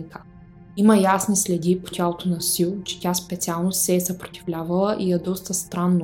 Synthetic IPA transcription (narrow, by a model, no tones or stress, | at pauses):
nk̪ə̥ | iməjasnislɛd̪ipo̥t̪ʲalˠot̪onɐsilˠt͡ʃɛ̥tʲaspɛt̪sʲialˠnosɛːsəpɾo̥t̪ivlʲavɐlˠəʔiɛd̪ɔst̪əst̪ɾanːo